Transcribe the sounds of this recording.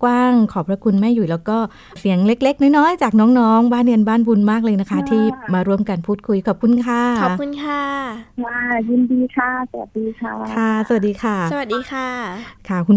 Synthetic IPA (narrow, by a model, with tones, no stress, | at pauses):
kwaː˥˩ŋkʰɔː˩pʰɾa˧˥kʰu˧nma˥˩jːuː˨˩lɛː˦˥wkɔː˥˩ | si˩˦əŋle˦˥k̚le˦˥k̚nɔː˦˥jnɔː˦˥˨jt͡ɕaː˨˩k̚nɔː˦˥ŋnɔː˦˥ŋbaː˥˩nːɯ˧ənbaː˥˩nbu˧nmaː˥˩k̚lɤː˧jna˦˥kʰa˦˥t̪ʰiː˥˩maː˧ɾu˥˩əmka˧npʰuː˥˩t̪̚kʰu˧jkʰɔː˨˩p̚kʰu˧nkʰaː˧˩ɔː˨˩kʰu˧nkʰaː˧˥˩a˧˩ji˧ndiː˧kʰa˧˥˩sa˧wa˨˩t̪̚diː˧kʰa˥˩kʰa˥˩sa˧wa˨˩diː˧kʰa˥˩sa˧wa˨˩diː˧kʰaː˧˥˩kʰa˥˩kʰu˧n